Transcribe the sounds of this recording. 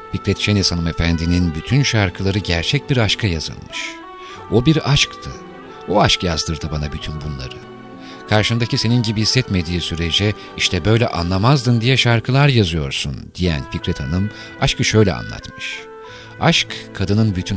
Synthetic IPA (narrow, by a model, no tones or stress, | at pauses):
ficɾɛt̪ʃenɛsanɯme̞fænd̪ininbyt̪ʰynʃaɾkʰɯlˠaɾɯɟæɾt͡ʃʰɛc̚biɾaʃkʰajazɯ̰lˠmɯʃ | obiɾaʃkt̪ʰɯ | oaʃkjazd̪ɯɾd̪ɯbanabyt̪ʰynbunlˠa̰ɾɯ | kʰaɾʃɯmd̪acise̞ninɟibihisːɛt̪me̞d̪iːsyɾe̞d͡ʒɛ | iʃt̪ʰɛbø̞jlʲɛ̰ʔa̰nlˠamazd̪ɯnd̪ijɛʃaɾkʰɯlˠaɾjazɯjo̞̰ɾsṵnd̪̥ijæ̰nficɾɛt̪ʰanɯm | aʃkɯʃø̞jlʲɛ̰a̰nlˠa̰t̪mɯʃ | aʃkʰːad̪ɯnɯnbyt̪ʰyn